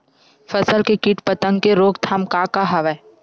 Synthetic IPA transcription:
fəsəlkekiʈpət̪ə̃ŋɡkeɾoːɡt̪ʰaːmkakaɦɐʋɛ

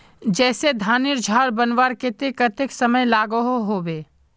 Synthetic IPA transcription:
d͡ʒɛːsed̪ʱaːnɪɾd͡ʒʱaːɾbɐnwaɾkɪt̪ɪkət̪ɪksɐməjlaːɡoɦoɦoːbeː

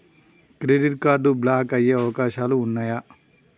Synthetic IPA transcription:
kɾeːɖiʈkaːɾɖublaːkɐjeɐʋɐkaːʃaːluːnːɐjɐ

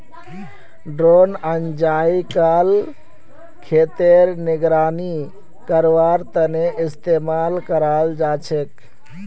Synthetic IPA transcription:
ɖɾonənd͡ʒaikal | kʰet̪eɾniɡɾaːni | kəɾʋaɾt̪əneʔist̪emalkəɾald͡ʒat͡ʃʰek

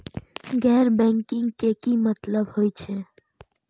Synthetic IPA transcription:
ɡɛːɾbɛ̃ŋkɪ̃ŋɡkekimət̪ləbɦojt͡ʃʰe

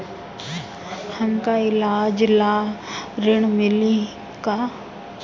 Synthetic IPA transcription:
hɐmkaɪlaːd͡ʒlaːɾɪɽ̃mɪli | ka

